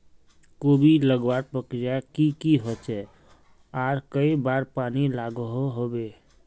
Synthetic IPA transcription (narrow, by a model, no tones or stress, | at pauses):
kobʱiləɡwaɾpəkɾijakikiɦot͡ʃɛ | aːɾkəibaɾpanilaɡəɦoɦobe